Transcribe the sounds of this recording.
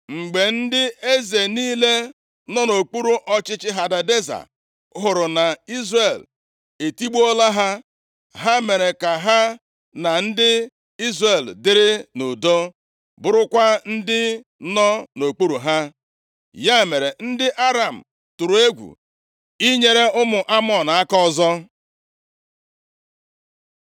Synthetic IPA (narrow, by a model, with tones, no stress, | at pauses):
ŋ͡m̩˨ɡ͡be˨n̩˦dɪ˦e˦ze˨niː˦le˦ | nɔ˦no˨k͡pu˦ɾu˨ʔɔ˦t͡ʃɪ˦t͡ʃɪ˦ɦa˨da˨de˦za̰˨ | ɦʊ˨ɾʊ˨na˨i˦zre˨l | e˨ti˦ɡ͡bu˦ɔ˦la˦ɦa˦ | ɦa˦me˨ɾe˨ka˨ɦa˦ | na˨n̩˦dɪ˦ | i˦zre˨ldɪ˦ɾɪ˦no˨do˦ | bʊ˨ɾʊ˦kʷa˦n̩˦dɪ˦ | nɔ˦no˨k͡po˦ɾu˨ɦa˦ | ja˦˨me˨ɾe˨n̩˦dɪ˦ʔa˦ɾa˨m̩˨ | tʊ˨ɾʊ˨e˦ɡʷṵ˨ | i˦ɲe˦ɾe˦ʊ˦mʊ˨ʔa˦mɔ˨na˦kɔ˦˨zɔ˦